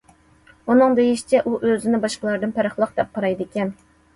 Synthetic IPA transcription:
unɨŋd̪ejiʃt͡ʃʰɛʔuʔøzɪnɪbɑʃqəlˠɑɾd̪ɨnpʰæɾəχlˠəq̚d̪̥ɛp̚qʰɑɾɑjd̪ɪkʲɛn

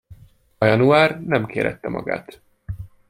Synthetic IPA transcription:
ɒjɒnuaːrnɛmkeːɾɛ̰t̪ːɛmɒ̰ɡa̰ːt̪

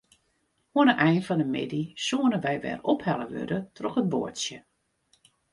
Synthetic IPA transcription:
huənəʔɛjnfɔnəmɪ̰disuənəʋɛjʋɛ̰rɔphɛləʋø̰dətʰrɔxət̚bo̰əsjə

